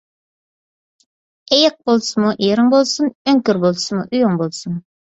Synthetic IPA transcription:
ejəq̚bolˠsɨmuʔeɾɨŋbolˠsunøŋkʲyɾbolˠsɨmuʔyjoŋbolˠsun

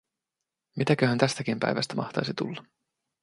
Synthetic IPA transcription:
mit̪ækøhænt̪æst̪ækimpæ̰jʋæst̪æmɑ̰xt̪ɑjsit̪ṵlːɑ

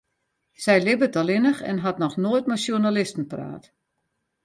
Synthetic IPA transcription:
sɛjlɪbətɔlɪnəxɛ̰nɦatnɔxnoəjt̚masjunalɪstən̩pra̰ːt

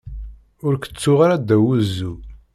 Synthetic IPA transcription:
ʊɾkə̥t͡sːʊʁaɾæd̪æwuzːu

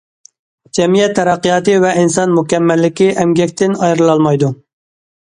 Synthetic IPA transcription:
d͡ʒɛmijɛt̪ʰːɛɾɛqːɨjɑːt̪ɨvɛinsɑnmukʲɛmːɛlːɪkʲɪʔɛmɡʲɛkʲt̪ʰɪnɑjɾɨlˠɑlˠmɑjd̪u

